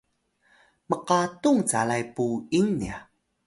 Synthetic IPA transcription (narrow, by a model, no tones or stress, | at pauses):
məqatuŋt͡salajpuiŋnia